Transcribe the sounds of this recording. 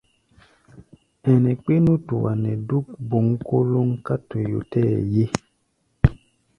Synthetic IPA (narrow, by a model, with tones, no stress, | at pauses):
ɛ˨nɛ̃˨k͡pe˦nũ˦tu˨wa˨nɛ˨du˦k̚bo˨ŋ˦ko˦lo˦ŋ˦ka˦to˨jo̰˨tɛ˦˨je˦